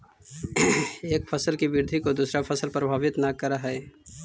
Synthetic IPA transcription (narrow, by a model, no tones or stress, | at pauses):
eːkfʰəsəlkibɪɾd̪ʱikod̪uːsɾapʰɐsəlpɾəbʱaːʋɪt̪nakɐɾaɦɛː